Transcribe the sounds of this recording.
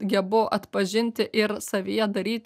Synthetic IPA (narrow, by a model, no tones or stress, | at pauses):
ɡʲɛbʊʔɐt̪pɐʒʲɪnʲt̪ʲɪʔɪɾsɐʋʲijɛd̪ɐɾʲiːt̪